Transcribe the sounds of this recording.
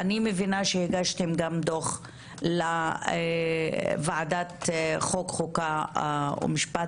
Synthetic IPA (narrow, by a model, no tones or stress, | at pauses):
animevinaʃehiɡaʃt̪emɡamd̪oχ | lae | vaʕadat̪χokχoka | o̰miʃpa